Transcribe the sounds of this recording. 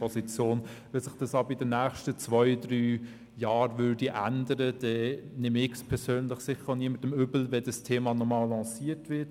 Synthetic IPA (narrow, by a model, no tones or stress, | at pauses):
ɔsit͡sjoːnʋɛsɪχd̥ɑsɑbəɪdənæːχʃtət͡svɔɪdɾyː | jɑːɾvʏːdiʔæ̰ndəɾəd̥ɛnɪmɪkspʰɛɾsøːnlɪχsɪχəoniəmətəmʏbl̩vɛdɑstʰeːmɑnɔmɑːlːɑːsiːətʋɪt